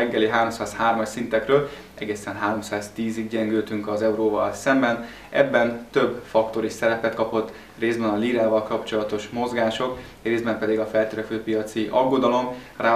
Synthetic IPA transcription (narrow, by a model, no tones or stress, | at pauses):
ɛŋɡːɛliɦaːɾo̞msaːshaːrmɒʃsint̪ɛkrøːl | ɛ̰ɡeːsɛnɦaːɾo̞msaːzt̪iːziɡ̚ɟɛŋɡøːt̪yŋkɒzɛuɾoːvɒlsɛmbɛn | ʔɛ̰bːɛnt̪ø̞bːfɒkt̪o̞ɾisɛɾɛpɛt̪kɒpo̞t̪ː | reːzbɛnɒliːɾaːvɒlkɒpt͡ʃo̞lɒt̪o̞ʃmo̞zɡaːʃo̞k | reːzbɛmpɛd̪iɡɒfɛlt̪øːɾɛføːpijɒt̪siʔɒɡːo̞d̪ɒlo̞m | raː